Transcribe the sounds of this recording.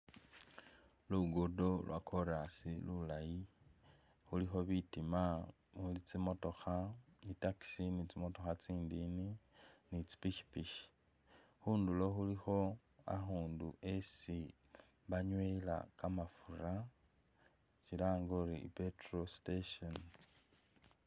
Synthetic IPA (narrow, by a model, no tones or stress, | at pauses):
luɡodo̞lwa̰kʰo̞ɾasilulaji | xulixo̞βitima | mulit͡simo̞to̞xaitaki̥sinit͡simo̞to̞xat͡siːndininit͡si̥piʃi̥piʃi̥ | xuːndulo̞xulixo̞ | a̰xuːnduʔesi | βaɲwela̰kamafura | t͡ʃilaːŋɡoripetrosteʃon